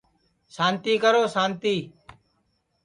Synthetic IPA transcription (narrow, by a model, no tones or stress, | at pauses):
saːnt̪iːkəɾoːsaːnt̪iː